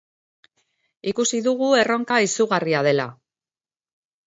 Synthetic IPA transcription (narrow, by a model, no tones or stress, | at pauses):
ikusiðuɣue̞ro̞ŋkaisuɣariað̞e̞la̰